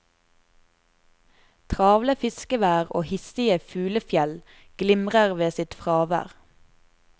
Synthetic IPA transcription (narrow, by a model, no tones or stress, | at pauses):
t̪ʰʁɑːʋləfɪskəʋæːʁo̰ːhɪst̪ɪəfʉːləfjɛl | ɡ̥lɪmʁəʁʋeːsɪt̪fʁɑːʋæ̰ːʁ